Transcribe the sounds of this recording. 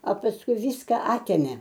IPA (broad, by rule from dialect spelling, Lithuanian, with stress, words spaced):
ɐ pɐsˈkʊɪ ˈʋʲiːskɐ ˈɑːtʲeːmʲeː